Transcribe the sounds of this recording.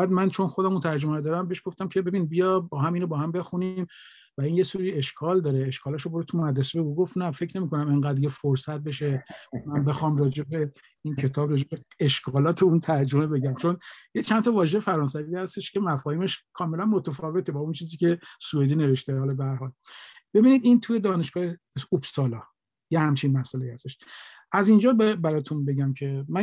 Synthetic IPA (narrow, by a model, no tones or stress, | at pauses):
bæd̪mænt͡ʃʰo̞nxod̪æmunt̪ʰæɾd͡ʒomæed̪ɒːɾæmbeʃɡ̥o̞ft̪æmcʰebe̞binbijɒbɒːɦæmiːnobɒːhæmbe̞xunim | væinjesuɾieʃkʰɒld̪ɒːɾeeʃkʰɒːlæʃoboɾet̪ʰumoæd̪ɾesebeuɡo̞fnæfe̞cʰne̞miːkonæmeŋɡæːd̪ɾjefoɾsæt̪̚be̞ʃemænbe̞xɒːmrɒːd͡ʒe̞be̞ | incʰe̞t̪ʰɒːbrɒːd͡ʒe̞beeʃkʰɒːlɒːt̪ʰeunt̪ʰæɾd͡ʒomebe̞ɟæmt͡ʃʰonjet͡ʃʰænt̪ʰɒvɒːʒehefæɾɒːns̬æviːhæst̪eʃcʲemæfɒːhiːmeʃkʰɒːme̞lænmot̪ʰæfɒːve̞t̪ʰebɒːunt͡ʃʰiːziːcʲʰe̞sued̪iːne̞ve̞ʃt̪ehɒːlɒbehæɾɦɒːlb̥e̞biːniːd̪int̪ʰuje̞d̪ɒːne̞ʃɡ̥ɒːhe | ubst̪ɒːlɒː | jehæmt͡ʃʰinmæsʔælejihæst̪eʃ | ʔæzind͡ʒɒːbbæɾɒːt̪ʰunbe̞ɟæmcʰe̞mæ